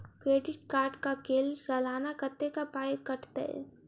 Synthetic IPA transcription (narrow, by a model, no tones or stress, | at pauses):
kɾeːɖɪʈkaːɾɖkakeːlsəlaːnakət̪ːekapaːjkəʈʰt̪ḛ